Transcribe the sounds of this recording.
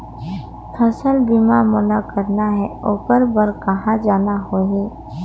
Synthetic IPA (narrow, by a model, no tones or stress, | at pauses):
kʰɐsəlbimamʊlakəɾnaɦɛoːkəɾbəɾkɐɦãd͡ʒaːnaɦoːɦiː